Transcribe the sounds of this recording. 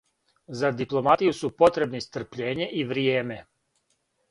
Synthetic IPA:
zad̪iplˠo̞mat̪ijusupo̞t̪ɾe̞bnist̪r̩pʎeːɲe̞ʔiʋɾieːme̞

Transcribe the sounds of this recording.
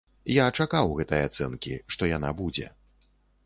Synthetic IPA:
jat͡ʂakawɣɛt̪ɐjat̪sɛnkʲiʂt̪ɔjanabud͡zʲɛ̰

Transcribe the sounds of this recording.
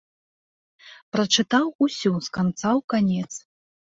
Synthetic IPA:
pɾɐt͡ʂɨt̪awusʲuskant̪sawkanʲɛt̪s

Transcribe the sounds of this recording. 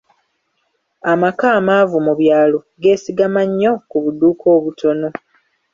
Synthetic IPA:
amakaːmaːvumuβjaːlo̞ | ɡe̞ːsiɡamaɲːo̞kuβuduːkʰo̞ːβutʰo̞no̞

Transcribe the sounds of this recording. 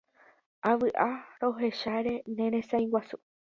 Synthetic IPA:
aʋɨʔaɾo̞ɦe̞ʃaɾe̞nẽ̞ɾ̃ẽ̞sãj̃wasu

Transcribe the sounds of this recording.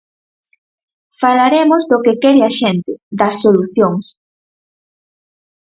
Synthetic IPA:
falaɾemozdokekɛɾɪɐʃɛnt̪ɪðɐsːoluθjoŋs

